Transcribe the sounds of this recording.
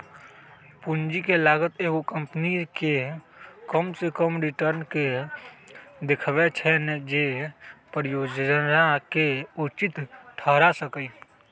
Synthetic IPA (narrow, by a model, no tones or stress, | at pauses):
pund͡ʒikelaːɡət̪eːɡokəmpnike | kəmsekəmɾɪʈəɾnke | d̪ɪkʰʋet͡ʃʰɛned͡ʒepəɾɪjoːd͡ʒɾakeut͡ʃɪt̪ʈʰəɦɾasəkəi